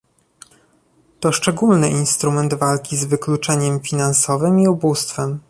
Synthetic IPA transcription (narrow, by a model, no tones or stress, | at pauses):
t̪ɔʂt͡ʂɛɡulnɘʔinst̪ɾumɛnd̪valkʲizvɘklut͡ʂɛɲɛmfʲinansɔvɘmiubust̪fɛm